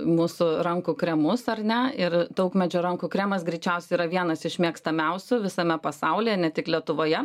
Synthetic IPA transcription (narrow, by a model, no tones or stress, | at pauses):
muːsʊɾɐŋkukɾʲɛmʊsɐrnʲɛɪrd̪ɐʊkmʲɛd͡ʒʲoːɾɐŋkukɾʲæmɐsɡɾʲɛɪt͡ʃʲɛʊsʲɛiɾɐʋʲiɛnɐsɪʃʲmʲiɛkst̪ɐmʲɛʊsʲʊʋʲɪsɐmʲɛpɐsɐʊlʲejɛnʲɛt̪ʲɪklʲiɛt̪ʊʋoːjɛ